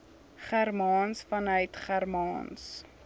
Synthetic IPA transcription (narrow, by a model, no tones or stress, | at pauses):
χærmɑːnsfɐnœɥtχærmɑːns